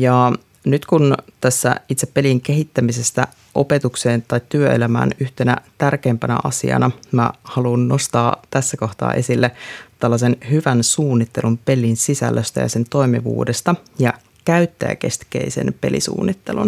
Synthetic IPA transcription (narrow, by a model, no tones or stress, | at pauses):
jɑ | nyt̪kunt̪æsːæ̰it̪sepːe̞liŋk̟e̞ɦit̪ːæmise̞st̪æ | ʔo̞̰pe̞t̪ukseːnt̪ɑjtt̪yøelæmæ̰ːnyht̪e̞næ̰t̪ærkeːmpænæ̰ʔɑ̰sḭɑ̰nɑmæ̰hɑluːnːo̞st̪ɑːt̪æsːæko̞ht̪ɑ̰ːʔe̞silːet̪ælːɑse̞nhyʋænsuːnːit̪ːe̞lumpe̞linsisæ̰lːøst̪æ̰jɑ̰se̞nt̪o̞imḭʋṵːdest̪ɑ | jɑ | kæyt̪ːæ̰jæ̰ke̞̰st̪kḛisḛnpe̞lḭsṵːnːit̪ːelṵn